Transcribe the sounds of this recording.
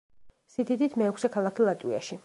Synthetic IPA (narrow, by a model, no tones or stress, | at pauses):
sid̪id̪it̪ʰmɛːkʰsɛkʰalˠakʰilˠat̪ʼwia̰ʃi